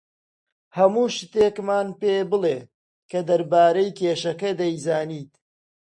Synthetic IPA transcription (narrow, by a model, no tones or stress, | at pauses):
hɐmuːʃt̪eːkmaːnpeːbɨleː | kɐd̪ɐɾbaːɾɐjkʰeːʃɐkɐd̪ɐjzaːniːt̪